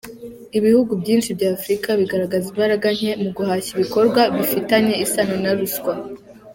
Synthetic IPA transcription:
iβihuɡubɟiːnʃibɟaːfɾikaβiɡaɾaɡazimbaɾaɡaɲ̥e̞muɡuhaːɕiβiko̞ɾɡwaβifitaɲe̞isanonaɾuskwa

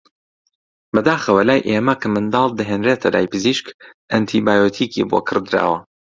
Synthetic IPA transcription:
bɐd̪aːxɐwelaːjʔemɐkʰɐmɨnd̪ɑːlˠd̪ɐɦeːnret̪ʰɐla̰ːjpʰɨziʃkʔɐnt̪ʰibaːjoːt̪ʰiːkʰḭbo̰kʰɨɾd̪ɾa̰ːwɐ

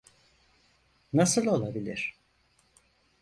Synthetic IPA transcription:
nasɯlˠo̞lˠabilʲḭɾ̥

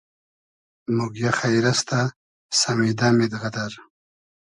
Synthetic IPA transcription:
muɡjaxajɾast̪ʰa | samid̪amɪd̪ɣad̪aɾ

